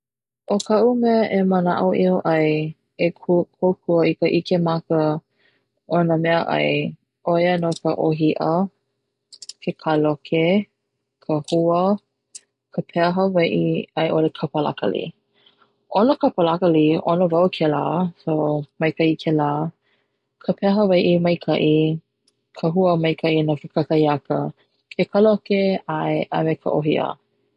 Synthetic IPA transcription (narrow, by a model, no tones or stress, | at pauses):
ʔokʰɐʔumɛəʔeməna̰ʔuʔioʔɐj | ekʰukʰokʰuəikəʔikemakə | ʔonəmɛəʔɐ̰j | ʔojənokəʔoɦiʔə | kʰekʰalokʰe | kʰəhuə | kʰəpʰɛɦəvɐʔiɐjʔolekʰɐpəla̰kə̰lḭ | ʔonəkɐpəlɐkəlionəvɐwkʰela̰ːsomɐjkʰɐʔikʰelaː | kʰəpʰɛɦəvɐjʔimɐjkʰɐʔi | kʰəɦuəmɐjkʰɐʔinafəkɐkɐjɐkə | kʰekʰalokeaeʔɐ̰mekʰə̰ʔoɦiʔə̰